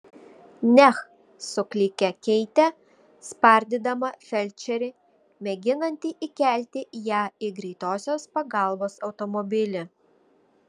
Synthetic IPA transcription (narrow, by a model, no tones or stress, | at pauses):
nʲɛx | sʊklʲɪkʲɛkʲɛɪt̪ʲɛ | spɐˑɾʲd̪ʲɪd̪ɐmɐfʲɛlʲt͡ʃʲɛɾʲɪ | mʲɛɡʲɪnɐnʲt̪ʲiʔɪkʲæˑlʲt̪ʲɪjæːɪɡɾʲɛɪt̪oːsʲoːspɐɡɑˑlˠboːsɒʊt̪ɔmɔbʲɪlʲɪ